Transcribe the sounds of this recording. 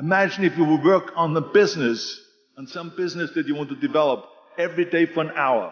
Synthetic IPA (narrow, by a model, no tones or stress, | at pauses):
ɨmæd͡ʒɨ̃nɨfjɨwəd̚wɜ˞kn̩ðəbɪznɨs | ə̃nsʌ̃mbɪznɨsðɨt͡ʃɨwɑ̃ntɨdɨvɛlˠəp̚ | ɛvɹideɪfə˞ə̃naʊə̰˞